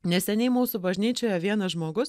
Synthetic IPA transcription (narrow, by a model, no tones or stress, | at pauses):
nʲɛsʲɛnʲɛɪmuːsʊbɐʒʲnʲiːt͡ʃʲoːjɛʋʲiɛnɐʒmoːɡʊs